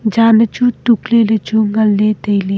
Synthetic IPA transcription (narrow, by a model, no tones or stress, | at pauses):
d͡ʒaːnət͡ʃʰut̪uklelet͡ʃʰuŋɐlːet̪əjle